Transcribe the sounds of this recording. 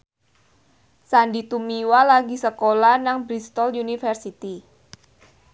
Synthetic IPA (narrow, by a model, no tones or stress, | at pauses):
sandit̪umiwalaɡisəkolanaŋbɾist̪ɔljunifərsit̪i